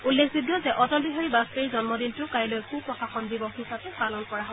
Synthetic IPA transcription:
ulːekʰzuɡjɔzɛʔɔtɔlbiɦaɹibasteizɔnmɔdintʊkaɹilojkupɹɔkaxʰɔnbibɔxisapɛpalɔnkɔɹaɦɔ

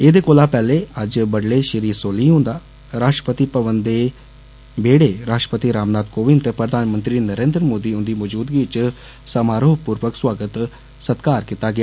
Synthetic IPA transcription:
eːd̪eːkoːlaːpɛːleːəd͡ʒbəɽleːʃəɾiːsoːliːɦʊ̃nd̪aː | ɾaːʂʈəpət̪iːpəʋənd̪eː | beːɽeːɾaːʂʈəpət̪iːɾaːmnaːd̪̚koːʋɪnt̪eːpɾəd̪ʱaːnmənt̪ɾiːnəɾẽːnd̪ɾəmoːd̪iːʊnd̪iːmɔːd͡ʒuːd̪ɡiɪt͡ʃ | səmaːɾoːpuːɾʋəkswaːɡət̪ | sət̪kaːɾkit̪aːɡɪaː

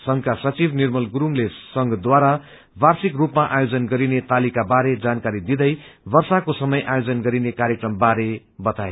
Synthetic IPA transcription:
sʌŋkasʌt͡sibnirmʌlɡuɾuŋlesʌŋɡʌd̪waɾa | barsikrupmaʔajod͡zʌnɡʌɾinet̪alikabaɾed͡zankaɾid̪id̪ʌjbʌrsakosʌmʌjʔajod͡zʌnɡʌɾinekaɾjekrʌmbaɾe | bʌt̪ae

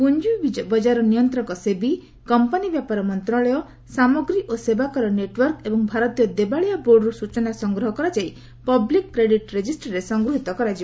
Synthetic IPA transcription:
pund͡ʒubid͡ʒbɔd͡ʒaɾɔnijɔnt̪ɾɔŋkɔsebi | kɔmpɔnibjapaɾɔmɔnt̪ɾɔɭɔjɔ | samɔɡɾiʔosebakɔɾɔneʈwɔɾkebɔŋbʱaɾɔt̪ijɔd̪ebaɭijaboɾɖɾusut͡ʃɔnasɔŋɡɾɔɦɔkɔɾad͡ʒaji | pɔblikːɾeɖiʈɾed͡ʒisʈɾesɔŋɡɾuɦit̪ɔkɔɾad͡ʒiba

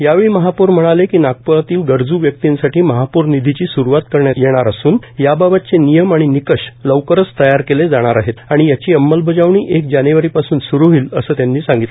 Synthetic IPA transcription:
jaʋeɭiːməɦapuːɾm̤əɽ̃alekiːnak̚pəat̪iːlɡəɾd͡zuːʋjək̚t̪insaʈiːməɦapuɾnid̪ʱit͡ɕiːsuɾuʋat̪kəɾɳjajeɽ̃aɾasuːnjababat̪̚t͡senijəmaɽ̃inikəɕləʋkəɾət͡st̪əjaɾkeled͡zaɽ̃aɾaɦet̪aɽ̃ijat͡ɕiːəmːəlbəd͡zaʋɳiːʔekd͡ʑaneʋəɾiːpasuːnsuɾuɦiːləsəːt̪janːiːsãŋɡit̪le

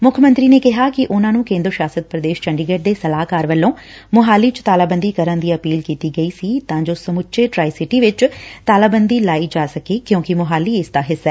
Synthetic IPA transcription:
mʊkʰːəmə̃nt̪ɾiːneːkɪɦaːkɪʔʊnãːnũːkẽːnd̪ɾʃjaːsət̪̚pɾəd̪eːʃt͡ʃə̃ɳɖɪɡeːʈ̚d̪eːsəlaːkaːɾʋəlːõː | mʊɦaːliːt͡ʃt̪aːlaːbənd̪iːkəɾə̃nd̪iːəpiːlkiːt̪iːɡəiːsiːt̪ãːd͡ʒoːsəmʊtːʃeːʈɾaːisɪʈiʋɪt͡ʃt̪aːlaːbənd̪iːlaːiːd͡ʒaːsəkeːkjõːkɪmʊɦaːliːɪsd̪aːɦɪsːɛː

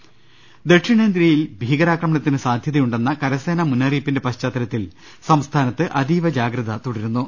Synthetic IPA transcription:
d̪e̞ʈʂiɳeːnd̪ɾijilbʱiːɣɐɾaːkɾrɐmɐɳɐt̪ːinɨsaːd̪ʱjɐðɐjuɳɖe̞nːɐkɐɾɐseːnɐmunːɐriːpːinde̞pɐɕt͡ɕaːt̪ːɐɾɐt̪ːil | sɐmst̪ʰaːnɐt̪ːɨʔɐd̪iːʋɐd͡ʑaːɡɾɐðɐt̪oɽiɾunːu

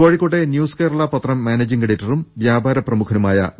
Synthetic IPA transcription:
ʋoːɻikːoʈːenjuːskeːɾɐɭɐpɐt̪rɐmːaːneːd͡ʑiŋɡɐɽitːɐrumʋjaːbʱaːɾɐprɐmukʰɐnumaːjɐ̰

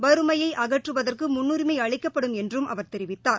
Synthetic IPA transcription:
bɐɾɯmɐjɐɪʔɐɣɐʈrɯʋɐðɐrkɯmʊnːuɾɪmɐɪɐɭɪkːɐpːɐɽɯmɛndrɯmʔɐ̰ʋɐɾt̪ɛɾɪʋɪt̪ːaːɾ

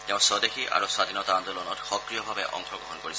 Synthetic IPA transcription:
t̪ɛʊ̃sɔd̪ekʰiʔa̰ɹoswad̪ʱinɔtand̪ɔlɔnɔtxɔkɹijɔbʱabɛʔɔ̰ŋxɔɡɹɔɦɔnkoɹisʰ

